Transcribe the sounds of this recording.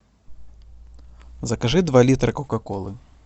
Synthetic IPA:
zɐkaʐɨd̪valʲit̪ɾɨkɔkakɔlˠɨ

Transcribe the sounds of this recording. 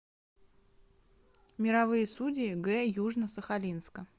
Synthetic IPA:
mʲɪɾɐvɨjəsudʲɪːɡɛjuʐnəsəxɐlʲinskə

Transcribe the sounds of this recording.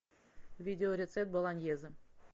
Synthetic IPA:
vʲidʲeoɾʲet̪sep̚t̪̚bɤ̆lˠɑnʲjezʲɘ̆

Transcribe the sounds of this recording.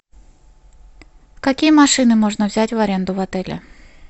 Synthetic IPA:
kɐkʲijəmɐʂɨnɨmo̞ʐnəvzʲætʲvɐɾʲe̞nd̪ʊvɐt̪ɛlʲɪ̰

